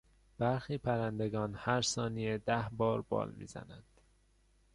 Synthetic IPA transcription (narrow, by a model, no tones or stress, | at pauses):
b̥æɾxiːpʰæɾænd̪eɡɒːnhæɾsɒːnijed̪æhbɒːɾbɒ̰ːlmḭːzæ̰nænd̪̥